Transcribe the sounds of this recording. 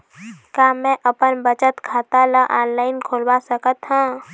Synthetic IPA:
kaːmɛ̃ʔɐpənbət͡ʃət̪kʰaːt̪alaʔaːnlaːɪnkʰoːlbasəkət̪ɦãː

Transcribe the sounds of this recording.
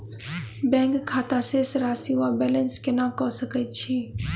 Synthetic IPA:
bɛ̃ːŋkkʰːaːt̪aseːsɾaːsiabɛːlənskenaːkɔːsəkət͡ʃʰiː

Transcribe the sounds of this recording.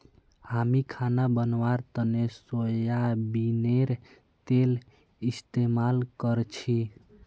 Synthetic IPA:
hamikʰanabənʋaɾt̪ənesojabineɾ | t̪el | ist̪emalkəɾt͡ʃʰi

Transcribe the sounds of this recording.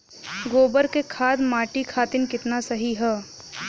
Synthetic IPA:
ɡoːbəɾkekʰaːd̪maːʈikʰaːt̪ɪnkɪt̪nasɐɦiɦɛː

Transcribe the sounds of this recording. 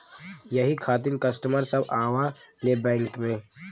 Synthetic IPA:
jɐɦikʰaːt̪ɪmkɐsʈəməɾsɐbaːʋa | lebɛ̃ːŋkmẽː

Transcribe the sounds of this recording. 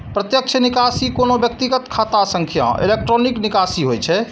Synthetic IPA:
pɾət̪jək̚t͡ʃʰənikasikonobjək̚t̪iɡət̪kʰat̪asə̃ŋkʰjã̰ḛlek̚ʈɾoniknikasiɦojt͡ʃʰɛ

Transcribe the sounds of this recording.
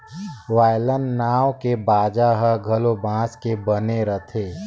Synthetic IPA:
ʋaːjlənːaːwkebaːd͡ʒaɦəɡʱɐlobãːskebɐneɾət̪ʰeː

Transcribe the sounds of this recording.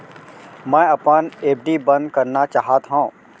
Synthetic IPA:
mɛ̃ːɐpəneːp̚ɖibɐ̃nd̪kɐɾnat͡ʃaːɦat̪ɦõː

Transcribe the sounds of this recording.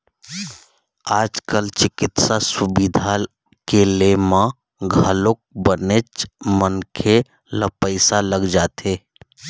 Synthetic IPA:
aːd͡ʒkəlt͡ʃɪkɪt̪sasubid̪ʱa | kelemã | ɡʱəlok̚bənet͡ʃmənkʰe | lapəɪsaləɡd͡ʒaːt̪ʰeː

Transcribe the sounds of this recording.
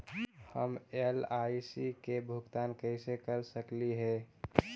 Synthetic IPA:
həmelaisikebʱʊɡt̪aːnkəɪsekəɾsəkliɦɛ̃

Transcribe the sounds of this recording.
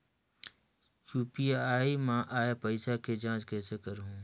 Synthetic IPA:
juːpiaːimãːʔaːjapəɪsakʰed͡ʒãːd͡ʒkɛːsekəɾɦũː

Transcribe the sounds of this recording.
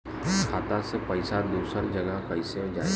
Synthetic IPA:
kʰaːt̪asepɐɪsad̪uːsəɾd͡ʒəɡəkɐɪsẽd͡ʒaːe

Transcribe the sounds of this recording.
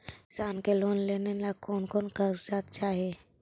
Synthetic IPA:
saːnkeloːnleːnelakɔːnkɔːnkaɾsaːt̪̚t͡ʃaːɦieː

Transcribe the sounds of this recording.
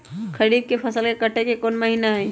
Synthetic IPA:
kʰəɾiːd̪̚kepʰɐsəlkekəʈʰekekoːnməɦinaɦɛː

